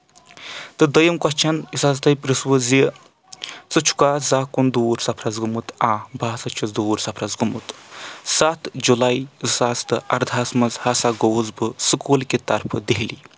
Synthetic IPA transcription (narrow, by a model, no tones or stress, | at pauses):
t̪ɨd̪əjɐmkɐst͡ʃʰɐnisazt̪ɐjpɾɨswəzjə | t͡sɨt͡ʃʰu̥kaːzaːkund̪uːɾsɐpʰɾɐzɡɨmɨt̪aːbaːsɐt͡ʃʰɐzd̪uːɾsɐpʰɾɐzɡɨmut̪sat̪d͡ʒulaisast̪ɨʔɐɾd̪ʱaːsmɐzhasaɡoːzbɨsɨkuːlket̪ɐɾpʰɨd̪eɦli